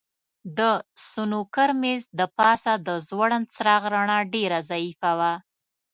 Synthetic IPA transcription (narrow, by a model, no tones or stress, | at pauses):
d̪əsunukəɾmezd̪əpɑsad̪əzwaɽənt͡sɾɑɣɾaɳaɖeɾazaifawa